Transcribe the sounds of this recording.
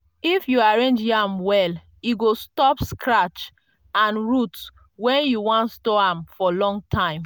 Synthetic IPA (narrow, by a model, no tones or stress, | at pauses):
ifjuaɹẽnd͡ʒjamwɛl | iɡostɔpskʰɹat͡ʃ | ãnɹuts | wɛ̃njuwɔ̃ntstɔãmfɔlɔ̃ŋɡ̚tʰãɪ̃m